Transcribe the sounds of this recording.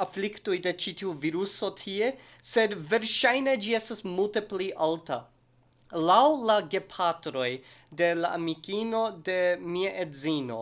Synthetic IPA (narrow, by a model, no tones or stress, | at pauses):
afliktujde̞t͡ʃitiuviɾuso̞tʰie̞ | se̞dve̞ɾʃajned͡ʒie̞stasmulte̞pliʔalta | lawlaɡe̞pʰatɾo̞jde̞laʔamikino̞de̞miaʔedzino̞̰